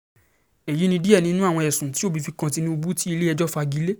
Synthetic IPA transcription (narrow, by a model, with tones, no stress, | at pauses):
ɛ˨ji˨˦nĩ˧˦di˦ɛ˦˨nĩ˦nũ˦a˦˨w̃ɔ̃˧ɛ˨sũ˨ti˦o˦˨bi˨˧fi˧kã˧ti˧nĩ˧u˧bu˦ti˦i˧le˦ɛ˧d͡ʒɔ˦fa˧ɡi˨˧˦le˦